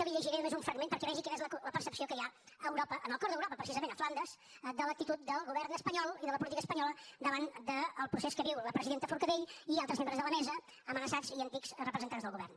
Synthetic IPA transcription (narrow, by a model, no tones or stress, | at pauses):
kəliʎəʒiɾɛnumezuɱfɾəɡmenpəɾkɛlɛʒikɛnezlələpəɾsəpsiokəja | əːwɾɔpəʔənəlˠkɔɾðəwɾɔpəpɾəs̬izəmẽnəfland̪əz̥ | d̪ələk̚t̪it̪ut̪̚d̪əlˠɣuβɛɾnəspəɲɔlˠiðələpulit̪ikəspəɲɔləd̪əβand̪əːlˠpɾuseskəβiwləpɾəziðent̪əfuɾkəðeʎialˠt̪ɾəzmẽmbɾəzðələmɛzə | əmənəsad͡ziənt̪ikz̥rəpɾəzənt̪anzðəlˠɣuβɛ̰rn